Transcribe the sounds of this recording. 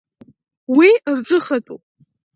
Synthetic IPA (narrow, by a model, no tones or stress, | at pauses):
wirʈ͡ʂʼɨχatʼu